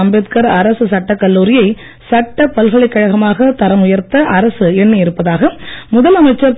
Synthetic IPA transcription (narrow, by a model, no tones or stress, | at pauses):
ɐmbet̪kɐɾɐɾɐsɯsɐʈːɐkːɐlːuːɾɪjɐɪ | sɐʈːɐpːɐlɣɐɭɐɪkːɐɻɐɣɐmaːɣɐt̪ɐɾɐmʊjɐɾt̪ɐʔɐɾɐsɯɛnːɯɪɾɯpːɐðaːɣɐmʊðɐlɐmɐɪt͡ʃːɐɾ